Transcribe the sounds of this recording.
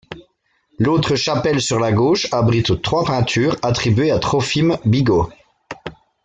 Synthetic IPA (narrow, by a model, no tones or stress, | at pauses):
lot̪χəʃapɛlsyʁlaɡoʃabʁit̪t̪χwapɛ̃t̪ʰyːʁat̪χibɥeat̪χɔfimbiɡo